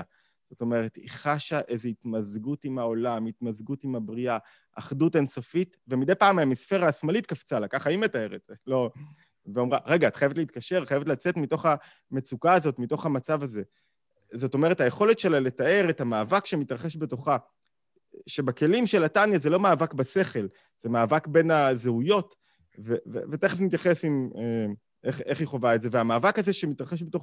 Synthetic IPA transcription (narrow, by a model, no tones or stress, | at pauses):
z̥o̞to̞me̞ʁetḭχaʃaʔe̞zeit̪mazɡutimao̞lamitmazɡutimhabʁia | ʔːχdute̞nso̞fitve̞mid̪e̞jpaːmaamisfe̞ʁaːsmalitkaft͡salakaχaimetae̞ʁetlo̞ | veo̞mʁa̰ʁe̞ɡaːt̪χajevtleit̪̚kaʃe̞ʁtχajevetlat͡se̞tmito̞χa | me̞t͡sukaːzo̞tmito̞χhamat͡savaze̞ | zo̞to̞me̞ʁ̞ethaje̞χo̞le̞tʃe̞laletae̞ʁethamaːvakʃemitʁaχe̞ʃbe̞to̞χa | ʃe̞bake̞limʃe̞latanjazelo̞maːvakbase̞χe̞l | z̥emaːvakbe̞nazeujo̞t | vevevet̪eχesnitjaχe̞sime | ʔeχeχiχo̞vaetze̞veamaːvakazeʃemitʁaχeʃ̬beto̞